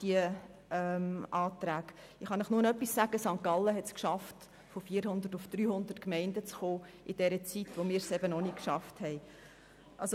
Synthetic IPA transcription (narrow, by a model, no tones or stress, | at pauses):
d̥iə | ɛmʔɑːt̪ɾæːɡ | ɪχɑnəχnunœpːissæɡ̥əsɑŋkɑlːəɦɛtskʃɑft | fofiːəɾhʊnd̪ətʊfd̥ɾyːhʊnd̪ətkmɛɪndət͡sχoː | ʔɪd̥ɛɾət͡sitʋomɪːɾsɛbənɔnikʃɑfthɛɪ | ʔɑlso